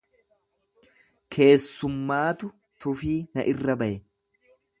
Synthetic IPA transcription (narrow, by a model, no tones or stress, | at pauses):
kʰe̞ːsːʊmːaːt̪ʊ | t̪ʊfiːnɐʔɪrːɐbɐʔɛ